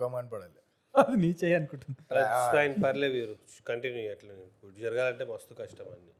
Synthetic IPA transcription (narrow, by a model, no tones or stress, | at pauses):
ɐmaːɳpɐɽale | ɐd̪init͡ʃejankuʈund̪ɐɐɾajnpɐɾleːʋiːɾukɐɳʈinjuɐʈlɐid͡ʒɐɾɐɡaːlɐɳʈeʋɐst̪ukɐʂʈɐmɐnːi